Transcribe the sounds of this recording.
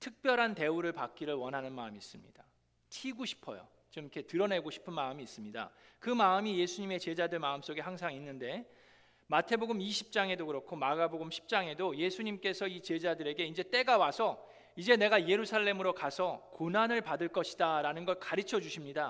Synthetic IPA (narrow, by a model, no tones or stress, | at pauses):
tʰɯk̚p͈jʌɾɦante̞uɾɯɭpak̚k͈iɾɯɭwʌnɦanɯnmaɯmiːs͈ɯmɲida | tʰiɡoɕʰi̥pʰʌjo̰ | t͡ɕomkʰe̞tɯɾʌne̞ɡoɕʰi̥pʰɯnmaɯmiːs͈ɯmɲida̰kɯmaɯmije̞sʰuɲime̞t͡ɕe̞d͡ʑadɯɭmaɯms͈oɡeɦaŋsʰaŋinːɯnde̞ | matʰe̞boɡɯmiɕʰip̚t͡ɕ͈aŋe̞dokɯɾʌkʰomaɡaboɡɯmɕʰi̥p̚t͡ɕ͈aŋe̞doje̞sʰuɲimk͈e̞sʰʌit͡ɕe̞d͡ʑadɯɾe̞ɡe̞ind͡ʑe̞t͈e̞ɡawasʰʌ | id͡ʑe̞ne̞ɡaje̞ɾusʰaɭːe̞mɯɾokasʰʌkonanɯɭpadɯɭk͈ʌɕʰi̥daɾanɯnɡʌɭkaɾɯt͡ɕʰʌd͡ʑuɕʰimɲida